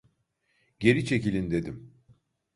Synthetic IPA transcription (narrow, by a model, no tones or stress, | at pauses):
ɟe̞ɾit͡ʃʰe̞cilʲind̪e̞d̪im